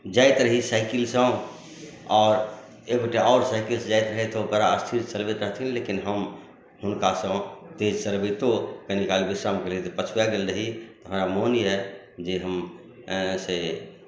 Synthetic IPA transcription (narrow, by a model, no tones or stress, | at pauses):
d͡ʒaːɪt̪ɾəɦisaːɪkilsə̃ | ɔːɾ | eboʈeɔːɾsaɪkilsd͡ʒajt̪ɾəɦɛt̪obəɾaəst̪ʰiɾt͡ʃəlbet̪ɾəɦt̪ʰĩnlekinɦəm | hʊnkasə̃d̪ed͡ʒsəlbəɪt̪okənikaːlibisɾamkelit̪epət͡ʃʰujaɡelɾəɦit̪oɦəmɾamoːniɦɛ | d͡ʒeɦəm | se